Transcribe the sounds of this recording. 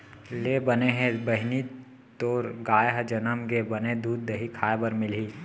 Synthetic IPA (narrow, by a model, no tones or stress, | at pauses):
leːbəneɦẽbəɦɪni | t̪oːɾɡaːjɦd͡ʒɐnəmɡebɐned̪uːd̪̚ːɐɦikʰaːebəɾmɪlɦiː